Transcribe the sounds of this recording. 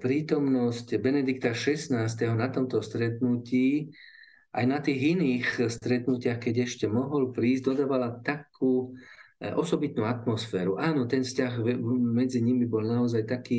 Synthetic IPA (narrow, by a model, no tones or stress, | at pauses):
pɾiːt̪ɔmnɔscbɛnɛd̪ikt̪aʃɛsnaːst̪ɛɦɔnat̪ɔmt̪ɔst̪ɾɛt̪nuciː | ʔajnat̪iːɣiniːxst̪ɾɛt̪nucɪaxkɛɟɛʃcɛmɔɦɔlpɾiːzɟd̪ɔd̪aːʋalat̪akʰuː | ɔsɔbit̪nuːat̪mɔsfɛːɾuʔaːnɔt̪ɛnfscaɣmɛd͡ziɲimibɔlnaɔzajt̪akiː